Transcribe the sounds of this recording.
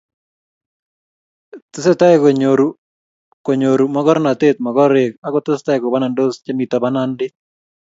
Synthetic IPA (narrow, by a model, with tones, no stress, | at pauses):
tɪ˦se˦ta˦ɪko˨ɲoɾu˨ | ko˨ɲo˨ɾu˨mɔ˦ɡɔ˦ɾna˨t̪e˦t̪̚mɔ˨ɡɔ˦ɾe˨ka˨kɔ˦tɪ˦sta˦ɪ˨ko˨ba˦na˨ndo˦st͡ʃe˦mi˨ta˨ba˦na˦ndɪ˦